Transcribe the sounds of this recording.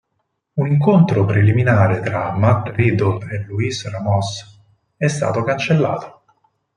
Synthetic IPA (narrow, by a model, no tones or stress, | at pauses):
uniŋkont̪ɾopɾeliminaːɾet̪ɾamːat̪rid̪oeluisramɔs | ɛst̪a̰ːt̪okant͡ʃelːa̰ːt̪o̥